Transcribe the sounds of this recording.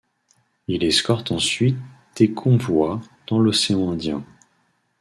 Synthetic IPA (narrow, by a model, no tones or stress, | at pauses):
ilɛskɔʁt̪ɑ̃sɥit̪̚ | d̪̥ekʰɔ̃vwa | d̪̥ɑ̃lɔseɑ̃ɛ̃d̪jɛ̰̃